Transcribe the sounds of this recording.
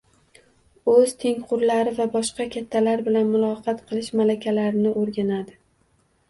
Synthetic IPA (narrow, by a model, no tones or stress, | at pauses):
ɵz̥t̪ʰe̞ŋqʊɾlaɾɪvabɒʃqɑkʲat̪ʰːalaɾbɪlanmʊlˠɒqʰɑt̪qʰɨlˠɪʃmalakʲalaɾɪnɪʔoɾɡʲanad̪ɪ